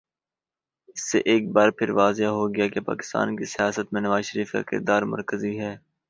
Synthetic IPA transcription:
ɪsːḛʔeːk̚baːɾpʰɪɾʋaːzeaɦoɡɐjakepa̰ːkɪ̥st̪a̰ːnkisɪjaːsət̪mẽnɐʋaːzʃəɾiːfka̰kɪ̰ɾd̪aːɾmɐ̰ɾkəziɦɛː

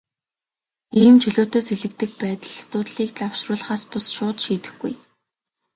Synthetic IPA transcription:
iːmt͡ɕʰiɮʊːt̪oːseɮɘ̆k̚t̪ɘ̆k̚pæːt̪ə̆ɮsʊːt̪ɮiːk̚t̪awʃrʊːɮ̆χaːspʊsʃʊːt̪ʃiːt̪ɘ̆xɡṵj

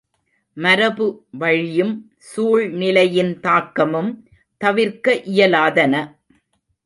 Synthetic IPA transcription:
mɐɾɐbɯʋɐɻɪjɯm | suːɻnɪlɐjɪnt̪aːkːɐmɯm | t̪ɐʋɪɾkɐʔɪjɐlaːðɐnɐ

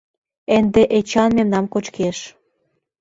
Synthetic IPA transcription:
end̪eʔet͡ɕɑnmemnɑmkot͡ɕkeʃ

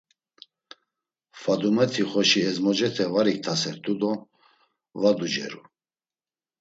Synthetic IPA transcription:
fad̪umɛt̪ʰiχɔʃiɛzmɔd͡ʒɛt̪ʰɛvaɾik̚t̪ʰasɛɾt̪ʰʼud̪ɔ | vad̪ud͡ʒɛ̰ɾṵ

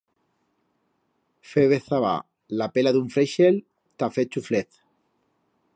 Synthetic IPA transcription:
feβeθaβa̰ | lapelaðuɱfɾeʃel | t̪afet͡ʃufleθ

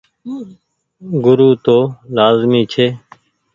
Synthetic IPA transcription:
ɡʊɾuːt̪oːlaːzmiːt͡ʃʰeː

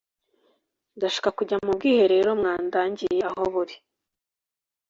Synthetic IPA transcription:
ndaʃi̥kakuɟamub̚ɡiːhe̞ɾe̞ːɾo̞mŋaːndaːɲɟijeaɦoβuɾi

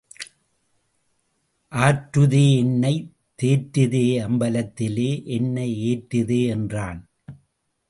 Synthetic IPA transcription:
ʔaːʈɾɯðeːɛnːɐɪ | t̪ːeːʈːɪðeːɐmbɐlɐt̪ːɪleːʔɛnːɐeːʈːɪðeːɛndraːn

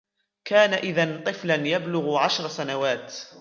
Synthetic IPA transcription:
kaːnaʔɪðant̪ˤɨflanjablʊɣʕaʃɾˤsanawaːt̪

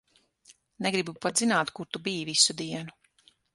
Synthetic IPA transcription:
neɡɾibupat̪zinaːt̪kuɾt̪ubiːvisud̪iɛnu

